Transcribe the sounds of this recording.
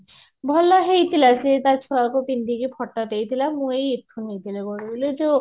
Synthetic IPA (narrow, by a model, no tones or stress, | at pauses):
bʱɔlɔɦejt̪ʰilasiet̪at͡ʃʰuɽakupind̪ikipʰɔʈːɔʈ̪ejt̪ʰilamũejet̪ʰːunejt̪ʰilekɔɾibuled͡ʒo